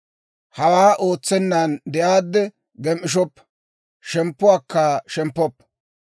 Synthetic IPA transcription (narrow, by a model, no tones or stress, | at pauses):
hɐwaːʔoːt͡sːɛnːand̪ɛʔaːd̪ːɛ | ɡɛmʔɪʃ̬ɔpː | ʃɛmpːʊaːkːaʃɛmpːɔpː